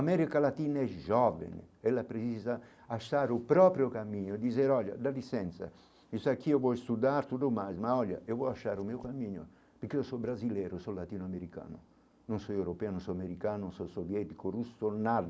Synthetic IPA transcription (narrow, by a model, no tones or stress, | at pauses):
amɛɾikalat̪iːnaɛʒɔːvḛnḛɛlːapɾet͡ʃiza | aʃaːɾupɾɔːpɾjokamːiːɲoed̪izeɾɔʎːa̰d̪alisɛnt̪sa̰ | isakːiːovɔjst̪ud̪aɾt̪ud̪omajzmaɔʎːa̰ʔiovɔjaʃːaːɾumiːukamːiːɲo̰ | peɾkːiːosɔbɾazilɛɾosɔlat̪iːnʊameɾika̰ːnʊ | nonsɔewɾopɛanõnsɔameɾikaːnonsɔsovjɛt̪ikorusonard̪